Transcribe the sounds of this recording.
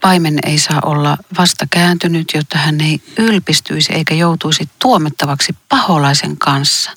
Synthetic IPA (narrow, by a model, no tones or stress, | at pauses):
pɑimenḛisɑːʔolːɑʋɑst̪ɑkæːnt̪ynyt̪jot̪ːɑhænːeiylpist̪yisiḛikæjout̪uisit̪t̪uomet̪ːɑʋɑksippɑholɑˑisḛŋkɑnsːɑ̥